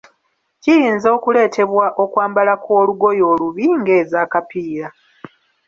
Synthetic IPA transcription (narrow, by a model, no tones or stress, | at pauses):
cijiːnzo̞ːkule̞ːtʰe̞βwaʔo̞kwaːmbalakʰo̞ːluɡo̞jo̞ːluβiŋɡe̞ːzaːkapiːɾa